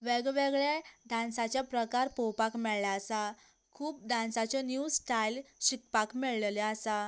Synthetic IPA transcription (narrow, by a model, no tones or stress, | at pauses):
ʋeɡʋeɡɭed̪ãnsat͡ɕjapɾəkaɾpɔwpakmɛɭlaəsa | kʰuːp̚d̪ãnsat͡ɕɔnjusʈajlɕik̚pakmɛɭllɛəsa